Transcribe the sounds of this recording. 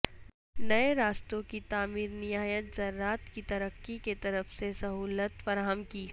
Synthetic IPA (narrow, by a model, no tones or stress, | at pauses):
nɐeɾaːst̪õkit̪aːmiːɾnɪɦaːjət̪zɐɾːaːt̪kit̪ɐɾəqːiket̪ɐɾəfsesɐɦuːlət̪fɐɾaːɦəmkiː